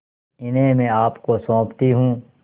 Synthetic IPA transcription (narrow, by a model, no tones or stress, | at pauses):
ɪnɦẽmẽːaːpkosõːpt̪iɦũː